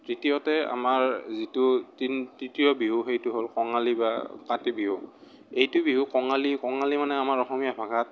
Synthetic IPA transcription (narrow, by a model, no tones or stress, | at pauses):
tɹitijɔtɛa̰maɹzitʊtintɹitijɔbiɦuxejtʊɦolkɔŋalibakãtibiɦu | ejtʊbiɦukɔŋalikɔŋalimanɛamaɹɔxɔmijabʱaɡʱat̚